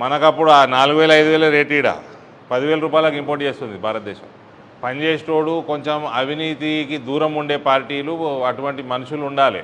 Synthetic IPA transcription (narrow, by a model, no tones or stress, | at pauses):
mɐnɐkɐpːuɽuanaːluɡuʋɛːlɐjd̪uʋɛːlɐɾeːʈiːɽa̰ | pɐd̪iʋeːlɐɾuːpaːjlɐkimpoːɾʈ̚t͡ʃe̞ːst̪und̪ibʱaːɾɐt̪̚d̪ɛːʃɐ̰m | pɐɲd͡ʒeːsʈoːɽuko̞ɲt͡ʃemɐbʱiniːt̪ikid̪uːɾɐmuɳɖe̞ːpaːɾʈiːluɐʈuʋɐɳʈimɐnuʂuluːɳɖaːlḭ